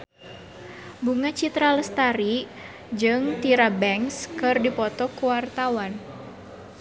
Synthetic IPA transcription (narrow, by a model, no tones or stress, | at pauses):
buŋat͡ʃit̪ɾaləst̪aɾi | d͡ʒɨŋt̪iɾabɛŋskɨrdipɔt̪ɔkuwart̪awan